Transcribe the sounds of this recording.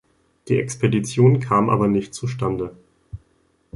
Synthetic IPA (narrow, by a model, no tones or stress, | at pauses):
d̥iːɛkspʰedit͡sjoːnkʰaːmʔa̰ːbɐnɪçt̚t͡suʃtandə